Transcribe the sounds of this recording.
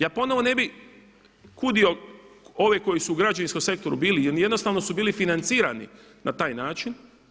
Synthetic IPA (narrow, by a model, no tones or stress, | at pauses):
jaːpo̞no̞ʋo̞ne̞bi | kud̪io̞o̞ʋeko̞jisuːɡɾad͡ʒaʋinskomse̞k̚t̪o̞ɾubiːlijenjed̪no̞st̪aːʋno̞subiːlifinant̪siːɾanḭ | nat̪aːjnaːt͡ʃin